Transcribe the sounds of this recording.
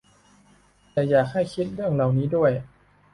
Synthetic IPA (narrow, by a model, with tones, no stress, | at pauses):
t̪ɛː˨˩jaː˨˩k̚ha˥˩jkʰi˦˥t̪̚ɾɯ˥˩əŋɾa˨˩wniː˦˥du˥˩əj